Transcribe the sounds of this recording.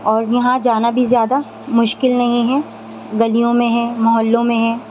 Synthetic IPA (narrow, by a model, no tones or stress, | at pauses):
ɔːɾjɐɦãd͡ʒaːnabʱizjaːd̪a | mʊʃkɪlnɐɦĩɦɛ | ɡɐlijõmẽɦɛ̃mɐɦəlːõmẽɦɛ̃ː